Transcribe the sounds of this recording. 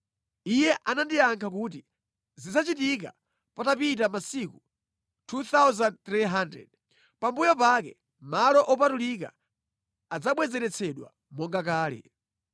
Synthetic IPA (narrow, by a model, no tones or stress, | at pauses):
ijɛʔanandiaŋkʰakut̬i | zid͡zat͡ʃitik̬a̰ | patapit̬amasiku | tʰut̪awzant̪ɾiɦandɾɛ̰d | pambujɔpakɛ | malɔʔɔpatulik̬a̰ | ad͡zaɓwɛzɛɾɛt͡sʰɛɗwa̰ | mɔŋɡakaːlɛ̰